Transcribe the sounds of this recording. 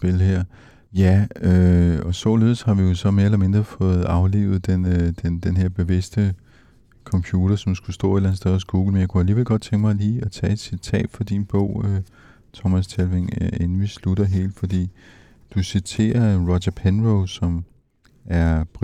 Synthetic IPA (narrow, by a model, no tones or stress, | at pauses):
b̥elɦeɐ̰ | jæøɒ̽sɒle̝ð̞ˠshɑ̈ʋijo̝sɒ̽me̝ɐelɐme̝nd̥ʁɐfɔ̽ːð̩ˠɑ̈ʊlḛːʊð̞̩ˠd̥end̥end̥enɦe̝ɐ̰b̥e̝ʋe̝sd̥ə | kʰɒ̽mpʰjuːɾ̥ɐsɒ̽msɡ̥usd̥ɔ̰ːe̝d̥læn̩sd̥eð̞ˠɐsɡ̥uːɡ̥l̩menjaɪkʰuæliːʋe̝l̰ɡ̥ɒ̽d̥̚t͡sʰeŋɡ̥əmɑ̈ɪliːɒt͡sʰɛ̰ːe̝d̥sit͡sʰɛ̰ːd̥fɒd̥inb̥ɔ̽ʊ̰ø | t͡sʰɒmæst͡sʰælʋeŋen̩ʋislud̥ɐɦe̝̰ːld̥fɒ̽d̥ḭː | d̥usit͡sʰe̝̰ːɐʁɒɕɐpʰenʁoʊsɒ̽m | æɐp